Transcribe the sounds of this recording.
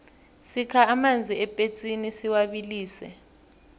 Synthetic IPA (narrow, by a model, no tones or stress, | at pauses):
sikʰaːmand͡zʱiɛpʼet͡sʼinisiwaɓiliːsɛ̰